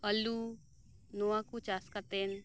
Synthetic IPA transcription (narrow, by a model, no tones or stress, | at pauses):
əlu | noãkut͡ʃaskat̪en